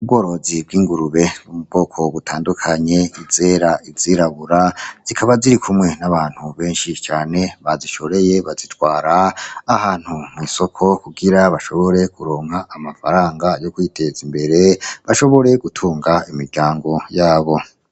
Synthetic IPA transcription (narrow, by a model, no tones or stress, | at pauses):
ub̚ɡo̞ːɾo̞zib̚ɡiːŋɡuɾuβe̞numubɡo̞ːkʰo̞βutʰaːndukʰaɲe̞ize̞ːɾaiziɾaβuɾaz̥ikʰaβaziɾikʰumŋe̞naβaːn̥huβe̞ːnʃit͡ʃaːne̞βaziʃo̞ɾe̞je̞βazitwaːɾaːhaːn̥humwiːso̞kʰo̞kuɡiɾaβaʃo̞βo̞ɾe̞kuɾo̞ːŋhaʔːmafaɾaːŋɡajo̞kwiːtʰe̞zimbe̞ɾe̞βaʃo̞βo̞ɾe̞ɡutʰuːŋɡaimiɾɟaːŋɡo̞jaːβo̞